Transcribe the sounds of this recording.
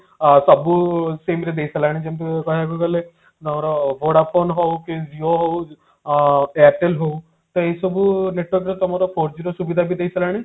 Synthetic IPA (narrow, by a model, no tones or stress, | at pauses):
sɔbusemɾed̪eisəlaɽ̃id͡ʒemt̪ekɔɦakukɔle | t̪ɔmaɾɔboɽapʰonɦɔukid͡ʒioɦow | aʈelɦou | t̪ɔesɔbuneʈwɔɾkɾet̪ɔmaɾɔpʰoɾd͡ʒiɾɔsubid̪ʱabʱid̪eisəlaɽ̃i